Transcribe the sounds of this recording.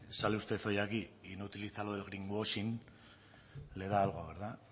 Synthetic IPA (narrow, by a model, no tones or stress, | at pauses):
saleust̪e̞θo̞jakiinut̪ilit͡saloðelɣɾiŋɡosin | leðaːlɣoaɣeɾða